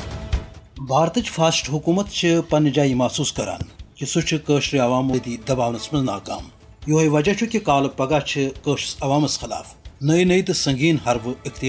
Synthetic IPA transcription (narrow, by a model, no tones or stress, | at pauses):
baːɾt̪ɐt͡ʃfaːsʈɦukuːmɐt̪t͡ʃʰipɐnid͡ʒaːjimaːsuːskɐɾa̰ːnkisut͡ʃʰɨkəːʃɾiɐʋaːmɐd̪id̪ɐbaːwnɐsmɐzna̰ːka̰ːm | joːɦeʋɐd͡ʒɐt͡ʃʰukikaːlɐpɐɡaːt͡ʃʰikəːʃsɐʋaːmɐsxɐla̰ːfnɐjnɐjt̪ɨsɐŋɡiːnhɐɾʋɨikt̪i